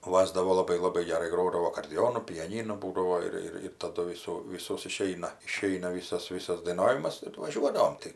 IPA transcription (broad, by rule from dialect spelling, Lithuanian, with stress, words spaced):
ˈʋɑːzdɐʋoː lˠɐˈbɐɪ lˠɐˈbɐɪ ɡʲɛˈrɐɪ ˈɡroːdɐʋoː ɐkoːrʲdʲɛˈoːnʊ pʲɛˈnʲiːnʊ ˈbuːdɐʋoː ɪr ˈɪr tɐˈdʊ ˈʋʲɪsuː ˈʋʲiːsoːs ɪˈʃʲɛɪnɐ ɪˈʃʲɛɪnɐ ˈʋʲiːsɐs ˈʋʲiːsɐs dɐɪˈnɑːʋʲɪmɐs ɪr ʋɐˈʒʲuɔdɐʋoːm tɐɪ